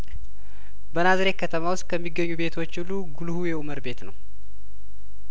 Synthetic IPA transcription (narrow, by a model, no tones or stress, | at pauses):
bənazəɾe̞kʰət̪ʰəmawʊst̪kʰəmːiɡːəɲːube̞t̪ʰo̞t͡ʃːulːuɡulhujɛuməɾbe̞t̪nəw